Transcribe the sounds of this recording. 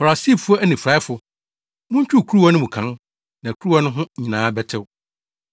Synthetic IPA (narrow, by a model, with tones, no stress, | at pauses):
fa˨ɾa˨si˦fu˦ɔ˦æ˦nĩ˨fɾa˦ɪ˦fʊ˨ | mʊ̃˦ɲ˦t͡ɕᶣu˦˨kʰu˦ɾu˦wɔ˦nʊ̃˦mũ˨kʰã˦n | nã˨kʰu˦ɾu˦wɔ˦nʊ̃˦ɦʊ̃˦˨ɲĩ˨nãː˨˦bɛ˦tʰɪ˨wʊ˨